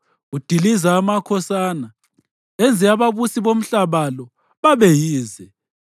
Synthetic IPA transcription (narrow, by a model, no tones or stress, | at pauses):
ud̥ʱilizaːmakʰɔsaːna | ɛnd͡zʱɛaβaβusiβom̩ɬaβalɔ | βaβɛjiːzɛ